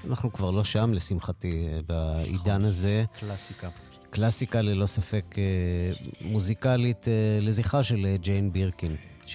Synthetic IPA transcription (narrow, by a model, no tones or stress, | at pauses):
anaχnukvaʁlo̞ʃamlesimχatibaḭdanaze̞lasika | klasikalilo̞safe̞ke | muzikalitle̞ziχaʃeled͡ʒejnbiʁkin